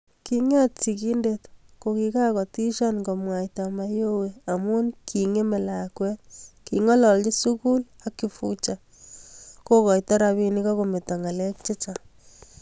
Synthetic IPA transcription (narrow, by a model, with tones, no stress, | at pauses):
kiŋɛ˦t̚si˨ki˦nde˨tko˨ki˨ka˦kɔ˨ti˦ʃa˦nɡo˨mwa˨jta˨ma˦jo˦we˨a˨mu˦nkʰi˨ŋe˦me˨la˨kwɛ˦tkiŋɔ˦lɔ˨lt͡ʃi˦su˦ku˦l | a˦kːi˨fu˦t͡ʃa | ko˦kɔ˨jtɔ˦ɾa˧βi˧ni˦kɔ˦ko˨me˨ta˨ŋa˨lɛ˦k̚t͡ʃe˦t͡ʃa